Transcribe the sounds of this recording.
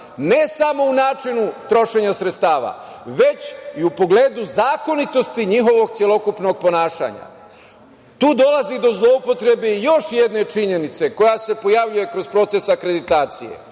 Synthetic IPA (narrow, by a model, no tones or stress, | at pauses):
ne̞samo̞unaːt͡ʃinut̪ɾo̞ʃe̞ɲasɾet̪st̪aːʋa̰ʋe̞t͡ɕiupo̞ɡle̞ːd̪uzaːko̞nit̪o̞st̪iɲiɦo̞ʋo̞ɡt̪sjelo̞kupno̞ɡ̚po̞naːʃa̰ɲa̰ | t̪uːd̪o̞lazid̪o̞zlˠo̞upo̞t̪ɾe̞beijo̞ʃjed̪ne̞t͡ʃiɲe̞nit̪se̞ko̞jase̞po̞jaʋʎuje̞kɾo̞zpɾo̞t̪se̞sakɾe̞d̪it̪aːt̪sḭje̞̰